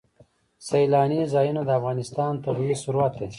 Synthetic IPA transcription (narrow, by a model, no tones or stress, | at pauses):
sajlɑːnizɑjunod̪əafɣɑnɪst̪ɑːnt̪abiwisuɾuat̪̚d̪e